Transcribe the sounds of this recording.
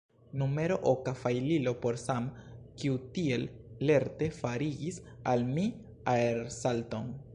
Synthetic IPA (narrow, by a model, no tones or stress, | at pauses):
nume̞ɾo̞ʔokafajlilo̞po̞ɾsamkiutie̞lle̞ɾte̞faɾiɡisalmi | aeɾsalto̞n